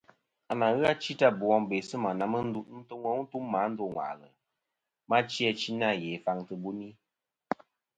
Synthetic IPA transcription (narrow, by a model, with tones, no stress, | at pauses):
a˨na˨ɣa˦t͡ʃi˦ta˦bu˨ɔ˧ŋbe˨sɨ˦ma˨na˨mə˦n̩˦du˦tn̩˦tɨ˦ŋɔ˦tu˦mːa˨˦n̩˦do˦˨ŋwa̰˨lə̰˨ | ma˦t͡ʃi˦ɛ˧t͡ʃi˦na˦˨je˨fa˧ŋtɨ˨bu˦ni˦